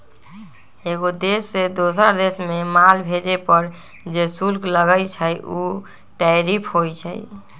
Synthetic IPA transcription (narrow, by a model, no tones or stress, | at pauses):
eɡod̪esːed̪osəɾd̪esmemalbʱed͡ʒepəɾ | d͡ʒesulkləɡəjt͡ʃʰəju | ʈaɾipʰɦojt͡ʃʰə̰j